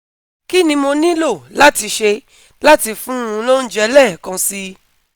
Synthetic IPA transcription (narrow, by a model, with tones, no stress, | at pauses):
ki˦nĩ˧mo˧nĩ˦lo˦˨la˦ti˧ʃe˧ | la˦ti˧fũ˦ũ˧lo˦n̩˦d͡ʒɛ˧˦lɛ˦˨kã˧si˦